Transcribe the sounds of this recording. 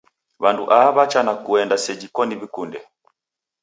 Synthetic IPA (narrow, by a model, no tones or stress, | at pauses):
βanduʔaβat͡ʃanakuɛndasɛd͡ʒikɔniβikundɛ